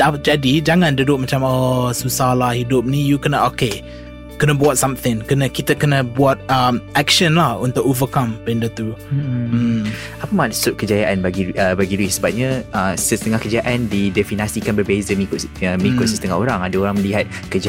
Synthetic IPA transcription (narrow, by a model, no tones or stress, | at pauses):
dad͡ʒadid͡ʒaŋãndudʊʔ̚mat͡ʃamɔsusahlahhidʊp̚nĩjukənəʔoke | kənəbwat̚sãmθɪ̃ŋkənəkit̪əkənəbuat̪̚əmʔɛk̚ʃə̃nlahunt̪ʊkovəkãmpɛndət̪u | apəmaʔsʊt̪̚kəd͡ʒajaʔanbaɡiəbaɡiluɪsəbap̚ɲãəsəst̪əŋahkəd͡ʒaʔandidɛfinasikanbərbezəmikʊəməlikʊt̪̚səsət̪əŋaɦoɾaŋadaoɾaŋməliɦat̪̚ | kəd͡ʒa